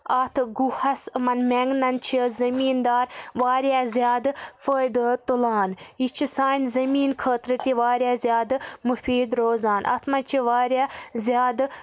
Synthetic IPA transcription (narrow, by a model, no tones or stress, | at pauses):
ɐt̪ʰɡuhɐsmɐnmeŋɡnɐnt͡ʃʰiəzɐmiːnd̪aːɾʋaːɾjaːzʲjaːd̪fəːjd̪t̪ulaːnit͡ʃʰisaːnzɐmiːnkʰəːt̪ɾɨt̪iʋaːɾʲjaːzjaːd̪mufiːd̪ɾoːzaːnʔɐ̰t̪ʰmɐnt͡ʃʰiʋaːɾjaːzjaːd̪